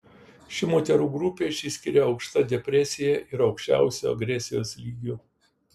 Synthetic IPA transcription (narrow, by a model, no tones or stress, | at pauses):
ʃʲɪmoːt̪ʲɛɾuːɡɾʊpʲeːʃʲiːsʲkʲɪɾʲɛɒʊkʃt̪ɐd̪ʲɛpʲɾʲɛsʲɪjɛʔɪɾɒʊkʃʲt͡ʃʲæ̰ˑʊsʲṵɐ̰ɡɾʲɛsʲɪjoːslʲiːɡʲʊ